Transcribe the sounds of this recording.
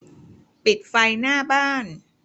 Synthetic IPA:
pi˨˩t̪̚fa˧jnaː˥˩baː˥˩n

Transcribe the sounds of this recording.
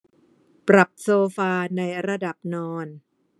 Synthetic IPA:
pɾa˨˩p̚soː˧faː˧na˧jɾa˧da˨˩p̚nɔː˧n

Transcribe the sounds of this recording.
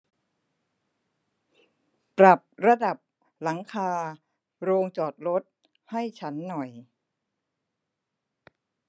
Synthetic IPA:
pɾa˨˩p̚ɾa˧da˨˩p̚ | la˩˦ŋkʰaː˧ | ɾoː˧ŋt͡ɕɔː˨˩t̪̚ɾo˦˥t̪̚ | ha˥˩jt͡ɕʰa˦˥nːɔ˨˩j

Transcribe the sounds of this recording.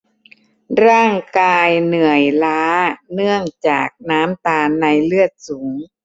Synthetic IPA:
ɾaː˥˩ŋkaː˧jnɯ˨˩əjlaː˦˥nɯ˥˩əŋt͡ɕa̰ː˨˩k̚naː˦˥mt̪aː˧nːa˧jlɯ˥˩ət̪̚suː˩˦ŋ

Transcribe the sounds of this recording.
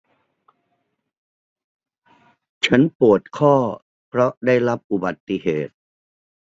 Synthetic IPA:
t͡ɕʰa˦˥npu˨˩ət̪̚kʰɔː˥˩ | pʰɾɔ˦˥ʔdaː˥˩jɾa˦˥p̚ʔu˨˩ba˨˩t̪ːi˨ɦeː˨˩t̪̚

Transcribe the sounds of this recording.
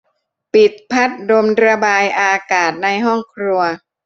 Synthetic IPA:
pi˨˩t̪̚pʰa˦˥t̪̚do˧mɾa˧baː˧jʔaː˧kaː˨˩t̪̚na˧jɦɔ˥˩ŋkʰɾu˧ɐ

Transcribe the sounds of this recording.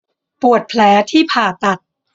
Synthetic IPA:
pu˨˩ət̪̚pʰlɛː˩˦˥t̪ʰiː˥˩pʰaː˨˩t̪a˨˩t̪̚

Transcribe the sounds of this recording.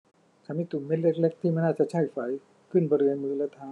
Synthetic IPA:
t͡ɕa˨˧˦miː˧˥t̪u˨˩˦me˦˥t̪̚le˦˧˩k̚le˦˥k̚t̪ʰiː˥˩ma˥˩naː˥˩t͡ɕa˧˩˦t͡ɕʰa˥˩jfa˩˦j | kʰɯ˥˩nbɔ˧ɾɯ˧ənmɯː˧˦la˧˥t̪ʰaː˧˦

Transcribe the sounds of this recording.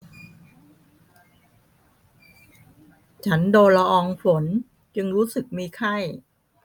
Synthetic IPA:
t͡ɕʰa˦˥ndoː˧nla˧ʔɔː˧ŋfo˩˦n | t͡ɕɯ˧ŋɾuː˦˥sɯ˨˩k̚miː˧kʰa˥˩j

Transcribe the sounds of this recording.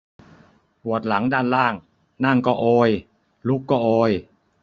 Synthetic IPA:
pu˨˩ət̪̚la˩˦ŋdaː˧˩nlaː˥˩ŋ | na˥˩ŋkɔː˥˩ʔoː˧j | lu˦˥kːɔː˥˩ʔoː˧j

